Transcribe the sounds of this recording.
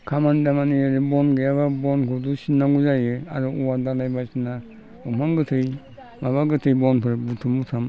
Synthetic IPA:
kʰamandamaniaɾɯbɔnɡejaβabɔnkʰɔdusinaɡuzajɯa̰ɾɔʔuwadalajbasina | umaŋɡɯtʰɯj | maβaɡɯtʰɯjbɔnpʰɯɾbutʰumutʰam

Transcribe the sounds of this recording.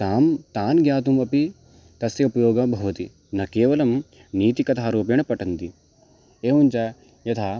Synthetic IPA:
t̪aːmt̪aːnɡjaːt̪umɐpi | t̪ɐsjɐupɐjoːɡɐbʱɐʋut̪i | nɐkeːʋɐlɐm | niːt̪ikɐt̪ʰaːɾoːp̬jɐɳɐpɐʈɐnt̪i | eːʋunt͡ʃa | jɐt̪ʰaː

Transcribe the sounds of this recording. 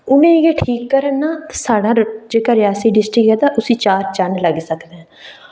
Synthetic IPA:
ʊnẽːɡeːʈʰiːkːəɾənːaːt̪asaːɽãːd͡ʒeːkaːɾɪjaːsiːɖɪsʈɾɪkɛːd̪aːʔʊsĩːt͡ʃaːɾt͡ʃənləɡsəkd̪eɛ̃ː

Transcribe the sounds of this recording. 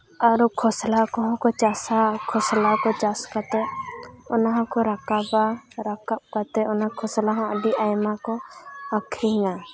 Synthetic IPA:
aɾukʰɔslakɔɦɔ̃kɔt͡ʃasakʰɔslakɔt͡ʃaskat̪ɛɔnaɦãkɔɾakabaɾakap̚kat̪ɛɔnaakʰɔslaɦɔ̃əɖiajmakɔakʰɾiŋa

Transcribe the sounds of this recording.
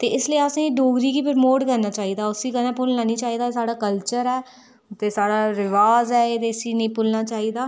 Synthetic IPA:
t̪eːɪslieaːsẽɖoːɡɾikiːpʰɪɾmoːɖkəɾnaːt͡ʃaːɦid̪aːʊsikənãpʊlnaːnĩt͡ʃaːɦid̪aːsaːɽaːkəlt͡ʃəɾɦɛː | t̪esaːɽaːɾɪʋaːzɦɛːeːt̪esinĩpʊlnaːt͡ʃaːɦid̪aː

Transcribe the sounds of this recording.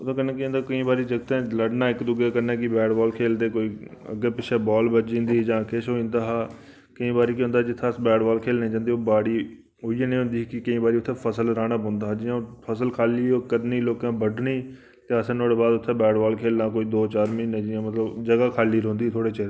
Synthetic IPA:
ʊt̪ʰõːkənːẽːkiõnd̪aːkəĩːbaːɾiːd͡ʒəɡt̪ẽːləɖnaːɪkd̪ʊɡaːkəɾnẽːkɪbɛːɖbɔːlkʰeːld̪eːkoːiːə̰ɡːeːpɪʃʰɛːbɔːlbəd͡ʒĩːnd̪iːd͡ʒãːkɪʃɦoːĩːnd̪aːɦaː | kəĩːbaːɾiːkiɦʊ̃nd̪aɦd͡ʒɪt̪ʰːaːsbɛːɖbaːlkʰeːlnə̃ːd͡ʒãːnd̪iːoːbaːɽiː | ɦoːienəĩːɦʊ̃nd̪iːkɪkəĩːbaːɾiːʊt̪ʰːeːpʰəsəlɾaːɽaːbə̃ːnd̪aːɦːd͡ʒiːãːpʰəsəlkʰaːliːoːkəd̪niːloːkãːbəɖniː | t̪eːəsənoːɽeːbaːd̪ʊt̪ʰːẽːbɛːɖbɔːlkʰeːlnãːkoːiːd̪oːt͡ʃaːɾmĩːnːẽd͡ʒiːãːmət̪ləbd͡ʒəɡaːkʰaːliːɾõːnd̪iːt̪ʰoːɽeːt͡ʃeːɾe

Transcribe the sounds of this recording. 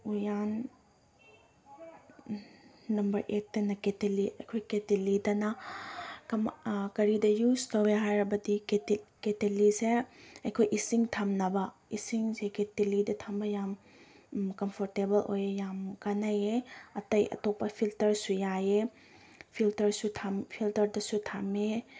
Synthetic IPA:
ujan | ɐmbɐɾʔet̚ːɐnɐketeliɐ̰jkʰojketelidɐnɐ | kɐmkɐɾidɐjustɐweɦajɾɐbɐdiketeliseɐjkʰojʔisiŋtʰamnɐbɐisiŋseketelidɐtʰambɐjam | kɐmpʰoɾtebɐlo̰jejamkanajeɐtɐjɐ̰topːɐpʰiltɐɾsujaje | pʰiltɐɾsutʰampʰiltɐɾdɐsutʰame

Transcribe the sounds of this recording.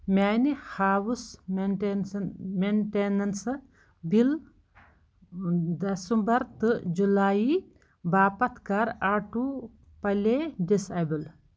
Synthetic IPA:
mʲaːnihaːwus | menʈenɐns | bil | d̪ɐsumbɐɾt̪ɨd͡ʒulaːi | baːpɐt̪ʰkaɾaːʈu | pɐledisabul

